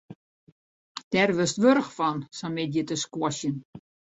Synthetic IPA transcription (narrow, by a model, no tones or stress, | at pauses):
d̥ɛrʋɪstʋørəxfɔnsamɪdjətəskwɔsjən